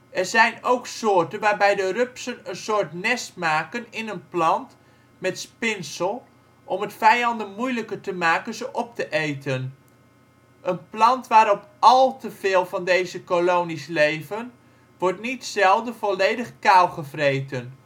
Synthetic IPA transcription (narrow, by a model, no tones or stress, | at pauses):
ɛrɹzɛjnowksoːɹtənʋaːɹbɛjdərøpsənənsoːɹtnɛstmaːkənɪnənplɑnt | mɛtspɪnsəlˠ | ʔɔmətfɛjɑndənmujləkəɹtəmaːkənzəʔɔp̚təʔejtən | ʔənplɑntʋaːɾɔp | ɑlˠtəv̥eːlˠvɑndejzəkolownislejvən | ʋɔɹtnitsɛlˠdəvɔlejdəχkawχəvrejtən